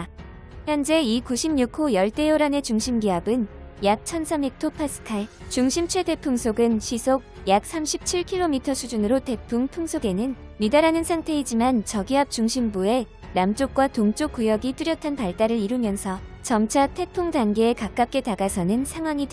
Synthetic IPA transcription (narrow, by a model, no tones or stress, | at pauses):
jʌnd͡ʑe̞ikuɕʰimɲukʰojʌɭt͈e̞oɾane̞t͡ɕuŋɕʰimɡiʌbɯnjak̚t͡ɕʰʌnsʰamik̚tʰopʰas͈ʰɯ̥kʰaɭt͡ɕuŋɕʰimt͡ɕʰwe̞de̞pʰuŋsʰoɡɯnɕʰisʰok̚jak̚s͈ʰamɕʰip̚t͡ɕʰiɭkʰiɭːomitʰʌsʰud͡ʑunɯɾote̞pʰuŋpʰuŋsʰoɡe̞nɯn | midaɾanɯnsʰaŋtʰe̞id͡ʑimant͡ɕʌɡiɦap̚t͡ɕuŋɕʰimbue̞ | namt͡ɕ͈ok̚k͈watoŋt͡ɕ͈ok͈ujʌɡit͈uɾjʌtʰanpaɭt͈aɾɯɾiɾumjʌnsʰʌ | t͡ɕʌmt͡ɕʰatʰe̞pʰuŋdanɡe̞ːkak͈ap̚k͈e̞taɡasʰʌnɯnsʰaŋwaɲi